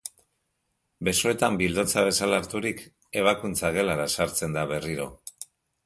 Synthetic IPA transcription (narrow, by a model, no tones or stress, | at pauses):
be̞so̞e̞t̪ambild̪o̞t͡saβe̞salaːɾt̪uɾik | e̞β̞akunt͡saɣ̞e̞laɾasaɾt͡se̞nd̪aβe̞riɾo̞̰